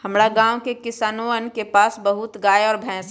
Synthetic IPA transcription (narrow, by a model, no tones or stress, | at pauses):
hɐmɾaɡãːwkekɪsaːnoənkepaːsbɐɦʊt̪ɡaːeɔːɾbʱɛ̃ːs